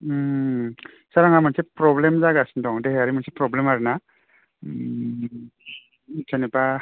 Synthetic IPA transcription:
saɾaŋamansepɾɔblemzaɡasindɔŋdeɦeaɾimansepɾɔblemaɾɯna | sʰanepa

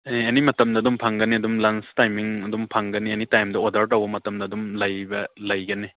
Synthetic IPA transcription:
eenimɐtɐmdɐːdumpʰaŋɡɐniɐdumlanstajmiŋɐdumpʰaŋɡɐnienitajmdɐodaɾtɐwbɐmɐtɐmdɐdumlɐjbɐlɐjɡɐni

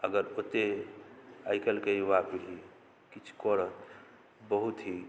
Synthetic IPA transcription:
əɡəɾot̪e | ajkəlkewapilɦi | kit͡ʃʰu̥kɔɾət̪ | bəɦut̪ɦi

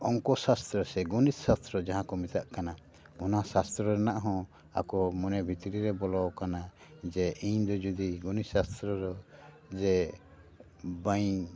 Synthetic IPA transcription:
ɔŋkɔsast̪ɾɔsɛɡɔnissast̪ɾɔd͡ʒaɦãkɔmit̪aʔkana | ɔnasast̪ɾɔɾɛnaʔɦɔ̃ | a̰kɔmɔnɛbʱit̪iɾiɾɛbɔlɔwkana | d͡ʒɛʔiɲd̪ɔd͡ʒud̪iɡɔnisast̪ɾɔɾɔ | d͡ʒɛ | baj

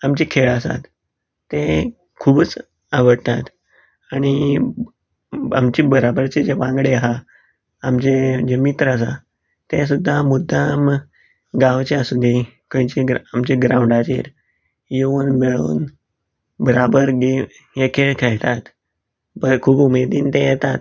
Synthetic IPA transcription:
amt͡ɕikʰeɭəsa̰t̪ː | e | kʰubət͡s | aʋəɽt̪at̪ | aɽ̃i | amt͡ɕibəɾabəɾt͡sed͡ʑeʋãŋɡɽeaɦaː | mt͡ɕed͡ʑemit̪ɾəəs̬a̰ | t̪es̬ud̪ʱːamud̪ʱːam | ɡaʋt͡ɕeasud̪ʱikəjt͡ɕeɡamt͡ɕeɡɾãwɳɖat͡ɕḛɾ | jeunmeɭṵːn | bəɾabəɾɡe | jekʰeɭkʰɛɭt̪at̪ | bəkʰuːbumed̪iːnt̪ẽjɛt̪at̪

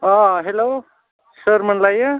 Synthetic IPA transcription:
ʌ̃ɦelo | səɾmənlajʌ

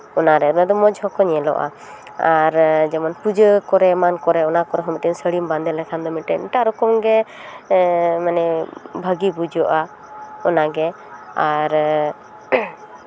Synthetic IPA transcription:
ɔnaɾɛd̪ɔmɛd̪ɔmɔd͡ʒɦɔkɔɲɛlɔ̰ʔa̰ | aɾd͡ʒɛmɔnpud͡ʒəkɔɾɛmankɔɾɛɔnakɔɾɛɦɔmɛʈɛɲsəɽimband̪ɛlɛkʰand̪ɔmiʈɛ̰ɲʈaɾɔkɔmɡɛ | manɛbʱəɡibud͡ʒɔʔa | ɔnaɡɛ | aɾ

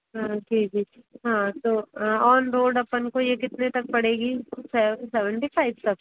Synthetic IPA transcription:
ɦãːd͡ʒiːd͡ʒiːɦãːt̪oːɔːnɾoːɖɐpənkojekɪt̪net̪ɐk̚pɐɽeːɡiːsɛsɛʋə̃ɳʈipʰaːɪʋt̪ɐk̚

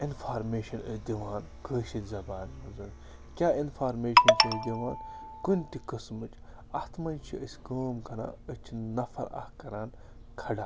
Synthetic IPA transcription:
infʰaːɾmeːʃɐnəd̪ʲiʋaːn | kʰəːʃit̪ʲzɐbaːnmɐzɐn | kʲaːinfaːɾmeːʃɐnsɐːd̪ʲiʋaːnkunʲt̪ikɨsmɨt͡ʃɐht̪ʰmɐnʲt͡ʃʰiəsʲkəːmkɐna̰ːət͡ʃʰinɐfʰɐ̰ɾɐ̰hkɐɾaːn | kʰɐɖaː

